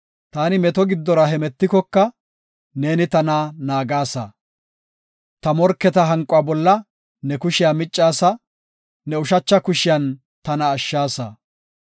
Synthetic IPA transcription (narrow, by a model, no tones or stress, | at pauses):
t̪aːnɪmɛt̪ɔɡɪd̪ːɔɾɐɦɛmɛt̪ːɪkɔkːɐ | ne̞ːnɪt̪ɐnaːnaːɡaːsɐ̰ | t̪ɐmɔɾkːɛt̪ɐɦɐŋkʼːʊaːbɔlːɐ | nɛkʊʃɪjaːmɪt͡ʃʼːaːsɐ | nɛʊʃɐt͡ʃːɐkʊʃɪjɐn | t̪ɐnɐːʃːaːsɐ̰